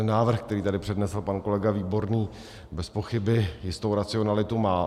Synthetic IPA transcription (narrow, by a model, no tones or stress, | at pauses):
naːvr̩xkt̪ɛɾiːt̪adɪpr̥ɛdnɛsl̩panko̞lɛɡaviːbo̞ɾniː | bɛspo̞xɪbɪjɪst̪owɾat͡sɪo̞nalɪt̪umaː